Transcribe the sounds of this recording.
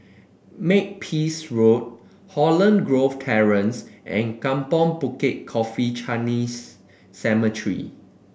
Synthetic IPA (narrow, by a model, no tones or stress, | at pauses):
mek̚pʰisɹot̚ | hɔlə̃nɡɹoftʰɛɹə̃nsʔɛ̰̃nkãmpɔ̃npuket̚kʰɔfit͡ʃʰanisː | ɛmətʰɹḭ